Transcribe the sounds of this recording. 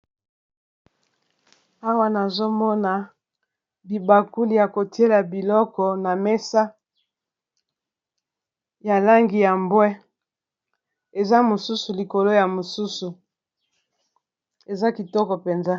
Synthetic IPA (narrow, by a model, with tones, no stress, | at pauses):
a˦wa˦na˨zo˦mɔ˦na˨ | bi˨ba˨ku˦li˨ja˨ko˨ti˦e˦la˨bi˨lɔ˦kɔ˨na˨me˦sa˦ | ja˨la˦ŋɡi˨ja˨mbwɛ˦ | e˨za˦mo˨su˦su˨li˨ko˨lo˦ja˨mo˨su˦su˨ | e˨za˦ki˨tɔ˦kɔ˨pe˨nza˦